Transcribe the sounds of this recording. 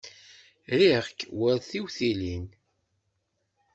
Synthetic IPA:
ɾiʁkwəɾθiwθilin

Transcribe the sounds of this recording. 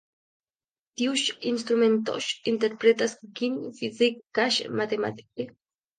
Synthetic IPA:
t̪iuʃinst̪ɾumẽnt̪ɔ̰ʃint̪eɾpɾet̪asɡinfizikkaʃmat̪ema̰t̪i̥kʼe

